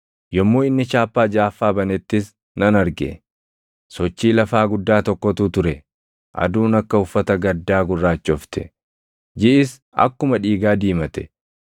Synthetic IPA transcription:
jɔmːoːɪnːɪt͡ʃaːpːaːd͡ʒaːfːaːbɐnɛt̪ːɪs | nɐnɐɾɡɛ̰ | sɔt͡ʃːiːlɐfaːɡʊd̪ːaːt̪ɔkːɔt̪ʊt̪ʊɾɛ | ʔɐ̰d̪uːnɐkːɐʊfːɐt̪ɐɡɐd̪ːaːɡʊrːaːt͡ʃːɔft̪ʰɛ | d͡ʒɪʔɪs | ɐ̰kːʊmɐᶑiːɡaːd̪iːmɐt̪ɛ̥

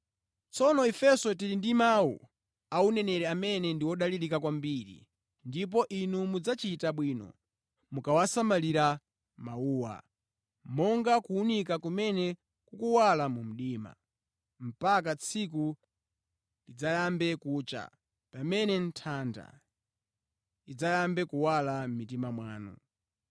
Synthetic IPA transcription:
t͡sɔnɔɛfɛsɔt̬iɾindimawṵ | aunɛnɛɾɛamɛnɛndiwɔɗaliɾikakwambiɾḭ | ndip̬ɔʔinumud͡zat͡ʃitaɓwiːnɔ̰ | mukawasamaliɾa | mauːwa̰ | mɔŋɡakuːnikakumɛnɛ | kukuwalamum̩ɗiːma̰ | m̩pak̬at͡sʰik̬u | lid͡zajambɛkuːt͡ʃa̰ | pamɛnɛn̩tʰanda̰ | id͡zajambɛkuwalam̩mitimamwaːnṵ

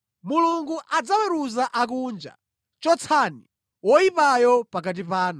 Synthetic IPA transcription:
muluŋɡuʔad͡zawɛɾuzaʔak̬und͡ʒa̰ | t͡ʃɔt͡sʰanḭ | wɔipajɔpak̬at̬ipaːnu

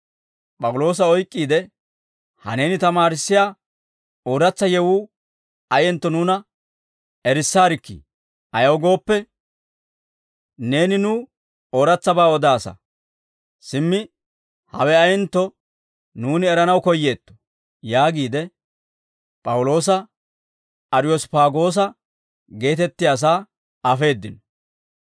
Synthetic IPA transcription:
pʼɐwʊlo̞ːs̬ɐɔjkʼːiːd̪ɛ | hɐ̰ne̞ːnɪt̪ɐmaːɾɪsːɪjaː | oːɾɐt͡sːɐjɛwuː | ɐjɛnt̪ːɔnuːnɐ | ɛɾɪsːaːɾɪkːḭ | ʔɐjɐwɡo̞ːpːɛ | ne̞ːnɪnuː | oːɾɐt͡sːɐbaːɔd̪aːsɐ̰ | sɪmːɪ | hɐ̰wɛɐjɛnt̪ːɔ | nuːnɪɛɾɐnɐwkɔjːe̞ːt̪ːɔ̥ | jaːɡiːd̪ɛ | pʼɐwʊlo̞ːs̬ɐ | ɐɾɪjɔspaːɡo̞ːs̬ɐ | ɡe̞ːt̪ɛt̪ːɪjaːs̬aː | ɐfe̞ːd̪ːɪnɔ

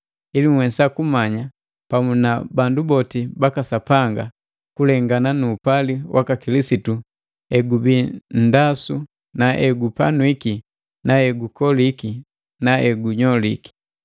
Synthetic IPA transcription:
iliŋwɛsakumaɲa | pamunabandubɔtibakasapaŋɡa | kulɛŋɡananuːpaliwʔa̰kakilisitu | ɛɡubin̩dasu | naʔɛɡupanwiki | naɛɡukɔliki | naɛɡuɲɔliki̥

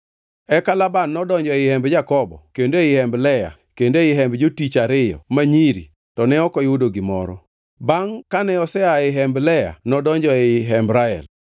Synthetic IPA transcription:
ɛkalabanːɔdɔɲd͡ʒɔɪhɛmbd͡ʒakɔbɔ̰kendoɪhɛmblɛja̰ | kendoɪɦɛmbd͡ʒotit͡ʃaɾɪjɔ̰maɲiɾḭ | tɔnɛɔkɔɪudoɡɪmɔ̰ɾɔ̰ | baŋkanɛɔsɛaɪɦɛmblɛja̰nɔdɔɲd͡ʒɔɦɛmbɾaɛ̰l

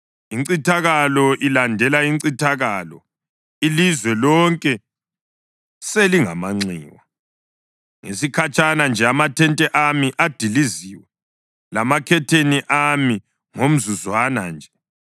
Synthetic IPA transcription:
iǀitʰaɣalɔʔilandʱɛlaiǀitʰaɣalɔ | ilizwɛlɔŋkʼɛ | seliŋamaŋ͡ǀḭːwa | ŋḛsikʰat͡ʃʰʼanand͡ʒʱɛamatʰɛntʼɛʔamiʔad̥ʱiliziːwɛ | lamakʰɛtʰeniʔami | ŋom̩zuzwana̰nd͡ʒʱɛ

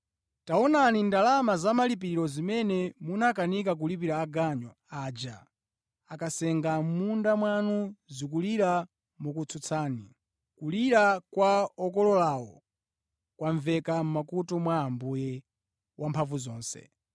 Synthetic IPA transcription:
taɔnanindalamazamalip̬iɾiɾɔzimɛnɛmunakanikak̬ulip̬iɾaːɡaɲɔ | aːd͡ʒa | akasɛŋɡam̩mundamwanuzik̬uliɾa | mukut͡sʰut͡sʰaːni | kuliɾakwaɔkɔlɔlawɔ | kwaɱvɛkam̩makutɔmwaːmbujɛ | wʔampʰaɱvuzɔːnsɛ̰

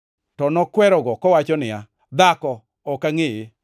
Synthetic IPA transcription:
tɔnɔkwɛɾɔɡɔkɔwat͡ʃɔnɪja | d̪akɔ | ɔkaŋɪje

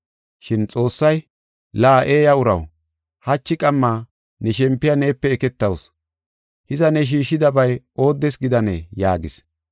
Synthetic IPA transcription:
ʃɪnt͡sʼo̞ːsːɐj | laːʔe̞ːjɐʊɾɐ̰w | hɐt͡ʃːɪkʼɐmːaː | nɛʃɛmpːɪjane̞ːpːɛːkɛt̪ːɐws | hɪzɐnɛʃ̬iːʃːɪd̪ɐbɐj | o̞ːd̪ːɛsɡɪd̪ɐnḛːjaːɡɪs

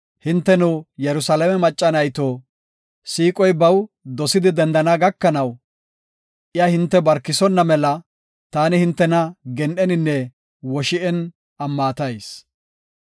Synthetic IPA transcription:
hɪnt̪ːɛnʊjɛɾʊsaːlɐmɛmɐt͡ʃʼːɐnɐjt̪oː | siːkʼɔjbɐw | d̪ɔsɪd̪ɪd̪ɛnd̪ɐnaːɡɐkːɐnɐw | ʔɪjahɪnt̪ːɛbɐɾkːɪsɔnːɐmɛlɐ | t̪aːnɪhɪnt̪ːɛnɐɡɛnʔɛnɪnːɛ | wɔʃɪʔɛn | ɐmːaːt̪ɐjs

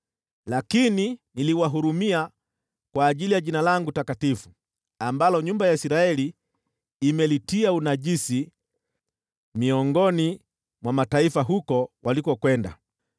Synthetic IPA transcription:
lakininiliwaɦuɾumia | kwaːʄilijaʄinalaŋɡutakatifu | ambalɔɲumbajaisiɾaɛliː | mɛlitiaunaʄisi | miɔŋɡɔni | mwamataifaɦukɔwalikɔkwɛnda̰

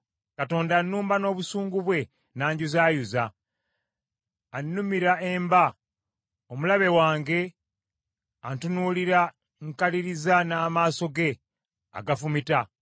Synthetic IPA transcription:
kato̞ːndanːuːmbano̞ːβusuːŋɡuβwe̞ | naːɲɟuzaːjuza | nːumiɾaemba | omulaβe̞waːŋɡe̞ | antunuliɾa | ŋkaliɾizanaːmaːso̞ɡe̞ | a̰ɡafumita

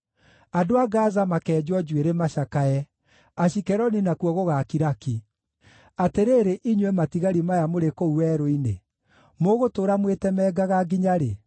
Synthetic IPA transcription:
adoaɡaːzamakɛːd͡ʒwɔd͡ʒweɾemaʃakaɛ | aɕikɛɾɔninakwɔɣoɣakiɾaki | ateɾeɾeʔiɲwɛmatiɣaɾimajamoɾekouwɛɾoinḛ | moɣotoːɾamwetɛmɛːɡaɣaɡiɲaɾe

